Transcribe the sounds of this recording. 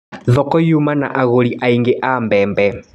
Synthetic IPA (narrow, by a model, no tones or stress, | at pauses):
ðɔkɔjumana̰ʔaɣoliʔaiŋɡeʔambɛːmbɛ